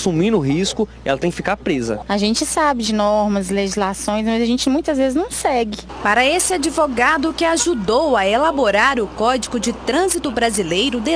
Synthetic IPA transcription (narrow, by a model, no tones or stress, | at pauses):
sumĩnʊɦiskʊ | ɛlɐt̪ẽj̃kɪfikaɾpɾezɐ̰aʒẽnt͡ʃɪsabɪd͡ʒɪnɔɾmɐzleʒizlasõj̃s̬mɐzɐʒẽnt͡ʃɪmũj̃t̪ɐzvezɪznɐ̃w̃sɛɡɪ | paɾɐesɪad͡ʒivoɡad̪ʊkɪaʒud̪owɐelaboɾaɾʊkɔd͡ʒiɡʊd͡ʒɪt̪ɾɐ̃zit̪ʊbɾazilejɾʊd̪e